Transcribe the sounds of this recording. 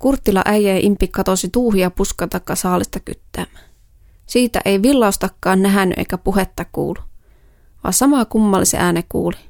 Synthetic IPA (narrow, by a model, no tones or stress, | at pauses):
kurt̪ːilɑ̰ʔæjæjɑʔimpːikːɑt̪osit̪uːɦiɑpuskɑt̪ɑkːɑsɑːlist̪ɑky̰t̪ːæːmːæ | siːt̪æ̰ʔejʋilːɑˑust̪ɑkːɑːnnæɦænːy̰ʔḛjkæpuɦet̪ːɑkṵːlːu | ʋɑ̰sɑmɑkumːɑlːisḛʔæːnekṵːli